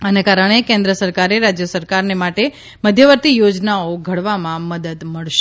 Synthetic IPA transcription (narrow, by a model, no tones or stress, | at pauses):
ənekaɾəɳ̃ekẽnd̪ɾəsəɾkaɾeɾad͡ʒjəsəɾkaɾnemaʈe | məd̪ʱjəʋəɾt̪ijod͡ʒnaoɡʱəɽʋamãməd̪əd̪məɭʃ